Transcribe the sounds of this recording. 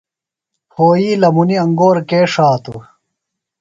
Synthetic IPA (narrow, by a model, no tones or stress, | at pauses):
hoːjiːlɐmuniɐŋɡoːɾkeːʂaːt̪ṵ